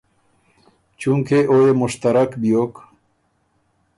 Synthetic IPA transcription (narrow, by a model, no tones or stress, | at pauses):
t͡ɕuŋkʰeʔojemuʃt̪aɾakbijok